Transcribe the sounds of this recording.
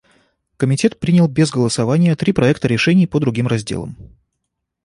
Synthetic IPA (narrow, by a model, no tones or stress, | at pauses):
kəmʲɪtʲe̞t̪̚pɾʲinʲɪəlˠbʲezɡəlˠəsɐvanʲɪjət̪ɾʲipɾɐɛkt̪əɾʲɪʂɛnʲɪjpəd̪ɾʊɡʲimrɐzʲdʲḛlˠə̰m